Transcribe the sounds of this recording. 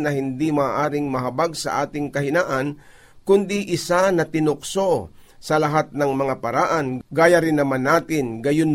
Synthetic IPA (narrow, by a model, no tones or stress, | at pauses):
nɐhɪnd̪imaːʔaːɾɪŋmɐɦɐbaɡsɐ̰ʔaːt̪ɪŋkɐɦɪnaːʔɐn | kʊnd̪iʔɪsanɐt̪ɪnʊkso̞ | sɐlɐɦat̪̚nɐŋmɐŋapɐɾaːʔɐnɡaːjaɾɪnːɐmanːaːt̪ɪnɡɐjʊn